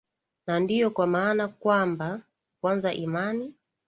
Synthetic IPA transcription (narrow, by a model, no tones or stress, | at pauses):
nandijɔkwamaːnakwamba | kwanzaʔimani